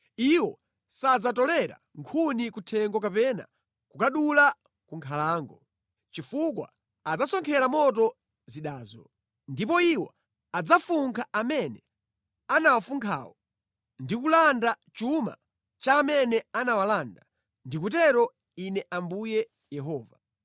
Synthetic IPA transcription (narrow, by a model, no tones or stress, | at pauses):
iwɔ | sad͡zatɔlɛɾa̰ | ŋkʰunikutʰɛŋɡɔkapɛna̰ | kukaɗula | kuŋkʰalaːŋɡɔ | t͡ʃifukwa̰ | ad͡zasɔŋkʰɛɾamɔtɔ | ziɗaːzɔ̰ | ndip̬ɔiwɔ | ad͡zafuŋkʰaʔamɛnɛ | anawafuŋkʰa̰ːwɔ | ndikulanda | t͡ʃuma̰ | t͡ʃaːmɛnɛanawalaːnda | ndik̬utɛɾɔ | inɛʔambujɛ | jɛɦɔːva